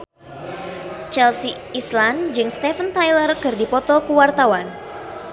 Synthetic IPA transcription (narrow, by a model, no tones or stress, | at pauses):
t͡ʃɛlsi | island͡ʒɨŋst̪ɛfənt̪ajlərkɨrdipɔt̪ɔkuwart̪awan